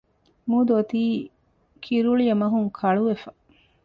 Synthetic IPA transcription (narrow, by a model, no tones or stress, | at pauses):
mud̪ot̪iː | kʰiɾuɭijɐmɐɦuŋkʰɐɭuʋefɐ